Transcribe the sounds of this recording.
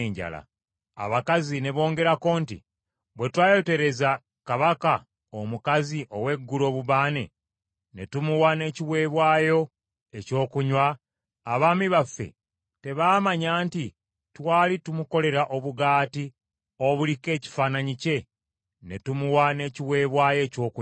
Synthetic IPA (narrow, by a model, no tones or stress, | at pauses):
eːɲɟa̰la̰ | a̰βakazine̞βo̞ːŋɡe̞ɾako̞ːntḭ | βwe̞twaːjo̞te̞ɾe̞za | kaβaka | omukaziʔo̞we̞ɡːulo̞βuβaːne̞̰ | ne̞tumuwane̞ːciwe̞ːβwaːjo̞ | e̞co̞ːkuɲwaː | βaːmiβafːe̞̰ | te̞βaːmaɲaːnti | twaːlitumuko̞le̞ɾaʔo̞βuɡaːti | o̞βulike̞ːci̥faːnaɲice̞ | ne̞̰tumuwane̞ciwe̞ːβwaːjo̞ːco̞ːku